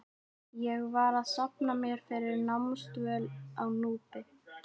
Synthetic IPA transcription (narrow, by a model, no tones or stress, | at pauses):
jɛɣvaɾaðsapnamjɛɾ̥fɪɾɪɾnamst̪vœlawnuːp̪ɪ